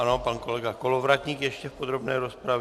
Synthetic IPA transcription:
anopankolɛɡakolovɾacɲiːkjɛʃcɛfpod̪ɾobnɛːɾospɾav

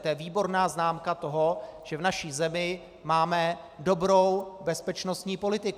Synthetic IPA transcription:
t̪ojɛviːbo̞ɾnaːznaːmkat̪o̞ɦo̞ʒ̥ɛvnaʃiːzɛmɪ | maːmɛ | do̞bɾo̞wbɛspɛt͡ʃno̞st̪ɲiːpo̞lɪt̪ɪk

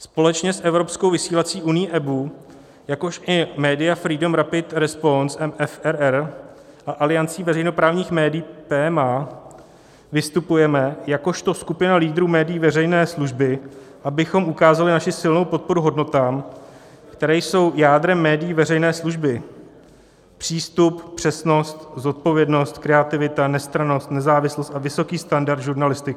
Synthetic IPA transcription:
spo̞lɛt͡ʃɲɛsʔɛvɾo̞pskowvɪsiːlat͡siːʔunɪjiːʔɛbu | jako̞ʃʔɪmɛːdɪjafɾiːdomɾapɪt̪ɾɛspo̞nsɛmɛfɛɾɛɾ | ʔaʔalɪjant͡siːvɛɾɛjnopɾaːvɲiːxmɛːdɪiːpɛːɛma | vɪst̪upujɛmɛjako̞ʃt̪o̞skupɪnaliːd̪ɾumɛːdɪjːvɛrɛjnɛːsluʒbɪ | ʔabɪxo̞mʔukaːzalɪnaʃɪsɪlno̞wpo̞t̪̚po̞ɾuɦo̞dno̞t̪aːm | kt̪ɛɾɛːjso̞wjaːd̪ɾɛmːɛːdɪjiːvɛrɛjnɛːsluʒbɪ | pr̥iːst̪uppr̝̥ɛsno̞st̪zo̞t̪̚po̞vjɛdno̞st̪kɾɛat̪ɪvɪt̪anɛst̪ɾano̞st̪nɛzaːvɪslost̪avɪso̞kiːst̪andaɾd̪ʒuɾnalɪst̪ɪk

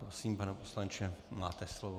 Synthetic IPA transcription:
ɾosiːmpanɛposlant͡ʃɛmaːt̪ɛslovo

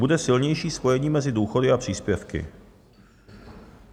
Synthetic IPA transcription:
budɛsɪlɲɛjʃiːspo̞jɛɲiːmɛzɪduːxo̞dɪʔapr̝̥iːspjɛfkɪ̰

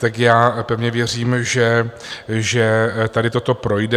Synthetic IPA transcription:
t̪akjaːpɛvɲɛvjɛr̝iːmʒɛ | ʒɛt̪adɪt̪o̞t̪o̞pɾo̞jdɛ

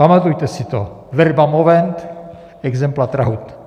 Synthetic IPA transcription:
pamat̪ujt̪ɛsɪt̪o̰ | vɛɾbamovɛnt̪ | ɛɡzɛmplat̪ɾa̰ɦut̪

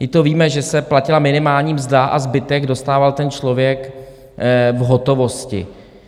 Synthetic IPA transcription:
jɪt̪oviːmɛʒɛsɛplacɪlamɪnɪmaːlɲiːmzdaʔa̰zbɪt̪ɛɡdo̞st̪aːvalt̪ɛnt͡ʃlo̞vjɛk | vɦot̪o̞vo̞scɪ̰

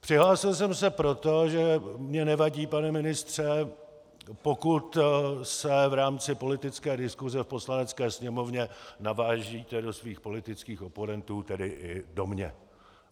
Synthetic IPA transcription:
pr̝̥ɪɦlaːsɪls̬ɛmsɛpɾo̞t̪o̞ʒɛmɲɛnɛvaɟiːpanɛmɪnɪst̪r̝̥ɛ | po̞kut̪sɛvɾaːmt͡sɪpo̞lɪt̪ɪt͡skɛːdɪskuzɛfpo̞slanɛt͡skɛːsɲɛmo̞vɲɛnavaːʒiːt̪ɛdo̞sviːxpo̞lɪt̪ɪt͡skiːxo̞po̞nɛnt̪uːt̪ɛdɪʔɪdo̞mɲɛ̰

